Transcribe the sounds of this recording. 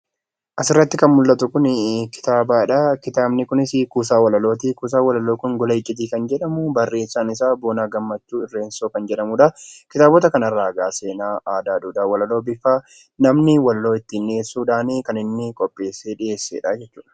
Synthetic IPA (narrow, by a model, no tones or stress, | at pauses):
ʔɐsɪrːɐt̪ːɪkɐnmʊlːɐt̪ʊkʊnkɪ̥t̪aːbaːɪᶑɐkɪt̪aːbnɪkʊnɪsɪkuːsaːwɐlɐlo̞ːt̪iːkuːs̬aːwɐlɐloːkʊnɡɔlɐɪt͡ʃʼːɪt̪̬iːkɐnd͡ʒɛᶑɐmʊbɐrːe̞ːsːaːnɪs̬aːboːnaːɡɐmːɐt͡ʃːuːɪrːe̞ːnsoːkɐnd͡ʒɛᶑɐmuːᶑɐkɪt̪aːbɔt̪ɐkɐnɐrːaːɡaːse̞ːnaːaːd̪aːd̪uːd̪awɐlɐlo̞ːbɪfaː | nɐmnɪwɐlloːɪt̪ːɪnːe̞ːsːuːᶑaːniːkɐnɪnːɪkʼɔpʼːe̞ːsːe̞ːᶑɪe̞ːsːḛːᶑad͡ʒɛt͡ʃːuːᶑɐ̥